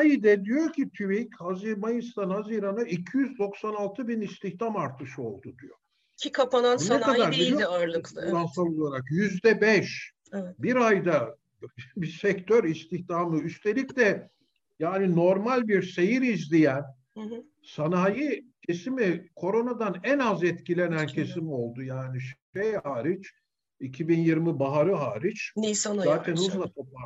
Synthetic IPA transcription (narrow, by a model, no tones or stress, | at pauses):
ajid̪ɛd̪ijo̞ɾcʰit̪ʰyβichaziɾmajɯst̪ʰanhaziɾanaicʰijyzd̪o̞ksanalˠt̪ʰɯbinist̪ʰiçt̪ʰamaɾt̪ʰɯʃɯo̞̰lˠd̪ud̪ijo̰ | ikʰapanaunekad̪aɾbiijoaɾlˠɯklˠlˠansalˠo̞lˠaɾakjyzd̪ɛbɛʃ | ɛbiɾajd̪a | bisɛct̪ʰøɾist̪ʰiçt̪ʰamɯyst̪ʰe̞lʲiclʲɛ | jaːnino̞ɾmalʲbiɾse̞jiɾizlʲijæn | sanaːjicʰe̞simikʰo̞ɾo̞nad̪anɛnazɛt̪cilʲe̞næncʰe̞simio̞lˠd̪ujaːniʃʃɛjhaːɾit͡ʃ | icʰibinjiɾmibaɦaɾɯɦaːɾit͡ʃnisozaːt̪ʰɛnuzlˠat̪ʰopa